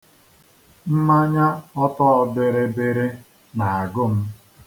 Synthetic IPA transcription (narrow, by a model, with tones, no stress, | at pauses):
m̩˦ma˦ɲa˦ɔ˦tɔ˦ɔ˦bɪ˦ɾɪ˦bɪ˦ɾɪ˦ | na˨a˨ɡʊ˦m̩˦